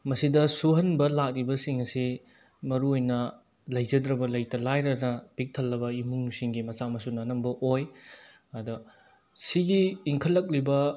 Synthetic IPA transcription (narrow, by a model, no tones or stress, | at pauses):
mɐsidɐsuɦɐnbɐlak̚libɐsiŋɐsi | mɐɾuojnɐ | lɐjzɐdɾɐbɐlɐjtɐlajɾɐnɐb̥ik̚tʰɐlːɐbɐimuŋusiŋɡimɐt͡ʃamɐsunɐnɐmbɐʔoj | ɐdɐ | siɡiːŋkʰɐl̚ːɐk̬̚libɐ